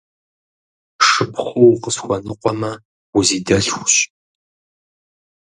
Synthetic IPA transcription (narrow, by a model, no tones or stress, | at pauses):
ʂɨpʰχʷʊwqəsxʷɔnɨqʷɔmɐ | wʊziːdɐɬxʷɕ